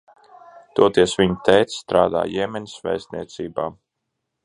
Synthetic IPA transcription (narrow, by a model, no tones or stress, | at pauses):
d̪̥uɔt̪iɛsvʲiɲut̪ɛjt̪sst̪ɾaːd̪a̰ːjɛmɛni̥svɛ̰jst̪nʲiɛt̪siːbaː